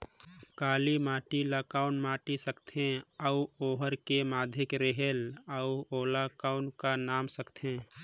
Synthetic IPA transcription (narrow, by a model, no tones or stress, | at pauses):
kaːlimaːʈiləkaːʊnmaːʈisəkt̪ʰẽəuoːɦəɾkemaːd̪ʱɪkɾeɦeləuoːlakaːʊnkanaːmsəkt̪ʰẽː